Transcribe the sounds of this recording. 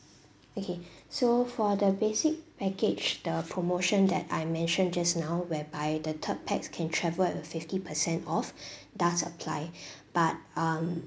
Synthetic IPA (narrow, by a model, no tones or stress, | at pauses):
okʰesofɔdəbesɪk̚pɛkɪd͡ʒd̥əpʰɹomoʃə̃ndɛ̰ta̰ɪjmɛ̃nʃə̃nd͡ʒasnaʊwɛbaɪdətʰət̚pʰɛkskʰɛ̃ntʰɹɛvəlɪfɪftipʰəsɛ̃ntɔfdatsəpʰla̰ɪb̥at̚am